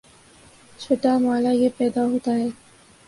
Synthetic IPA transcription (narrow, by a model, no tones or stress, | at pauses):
t͡ʃʰoːʈamaːlajepɛːd̪aɦoːt̪aɦɛː